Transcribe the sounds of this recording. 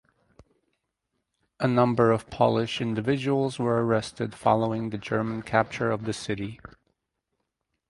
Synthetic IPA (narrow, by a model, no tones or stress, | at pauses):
ʔənʌ̃mbə˞ʌv̥pʰɑlˠɪʃɪ̃ndɨvɪd͡ʒəwl̩ˠzwə˞ə˞ɛstɨd̥fɑ̰lˠoʊɪ̃ŋðɨd͡ʒɜ˞mə̃nkʰæp̚t͡ʃə˞ʌvðɨsɪɾi